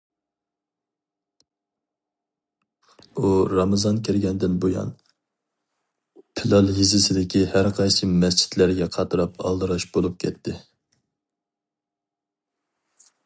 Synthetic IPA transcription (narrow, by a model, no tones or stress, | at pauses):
uɾɑmɨzɑnkʲʰɛɾɡʲɛnd̪ɪnbojɑ̰n | pʰɪlˠɑlˠɦisɪsɪd̪ɪkʲʰihæɾqʰɑjsɨmɛst͡ʃʰi̥t̪læɾɡʲɛqʰɑt̪ʰɨɾɑpɑ̰lˠd̪ɨɾɑʃbolˠup̚kʲʰɛt̪ːɪ